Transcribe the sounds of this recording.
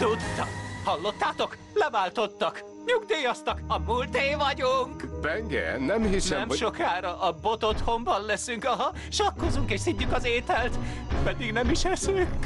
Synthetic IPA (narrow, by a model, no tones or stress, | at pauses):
t̪ut̪ːɒhɒlːo̞t̪ːaːt̪o̞k | lɛvaːlt̪o̞t̪ːɒk | ɲuɡd̪eːjɒst̪ɒkɒmult̪eːvɒɟuŋkbɛŋɡɛ̰nnɛmhisnɛɛmʃokaːɾɒʔːbo̞t̪ot̪ho̞mbɒnlɛsyŋkɒɦɒ | ʃɒkːo̞zuŋkeːʃsiɲːykɒzeːt̪ɛlt̪pɛd̪iɡnɛmiʃɛsyk